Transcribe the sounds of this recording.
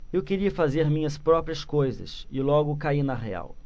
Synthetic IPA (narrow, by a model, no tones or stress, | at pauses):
ewkeɾiɐfazeɾmĩɲɐspɾɔpɾiɐskojzɐ̰sɪlɔɡʊkainɐɦea̰w